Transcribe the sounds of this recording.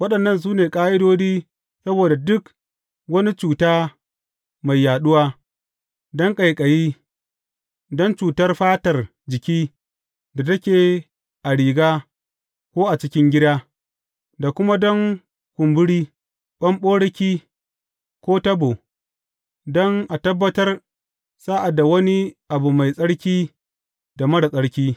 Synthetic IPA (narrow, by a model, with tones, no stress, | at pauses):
wɐ˦ɗɐ˨nːɐ˦ns̬uː˦neː˨kʼaː˦ʔɪ˦doː˦d͡ʒiː˦ | sɐ˦boː˨da˨dʊ˦k | wɐ˦ni˦t͡ʃuː˨taː˦ | ma˨jːaː˨ɗʊ˦waː˦ | dɔ˦ŋkʼa˨jkʼɐ˨jiː˦ | dɔ˦nt͡ʃuː˨tɐ˦rɸaː˦tɐ˨r | d͡ʒɪ˨kʲiː˦ | da˨tɐ˦kʲeː˨ | ʔa˨ɽiː˨ɡaː˦ | kʷoː˦ʔa˨t͡ʃɪ˦kʲɪ˦ŋɡʲɪ˦daː˦ | da˨kʷʊ˦ma˦dɔ˦ŋ | kʷʊ˨mbʊ˦ɽiː˦ | ɓɐ˦mɓoː˦ɽɐ˦kʲiː˦ | kʷoː˦tɐ˦boː˨ | dɔ˦ŋʔa˨tɐ˦bːɐ˦tɐ˦r | saː˦ʔa˨da˨wɐ˦ni˦ʔa˨bu˨ma˨jsʼɐ˦ɽkʲiː˦ | da˨mɐ˦ɽa˨sʼɐ˦ɽkʲiː˦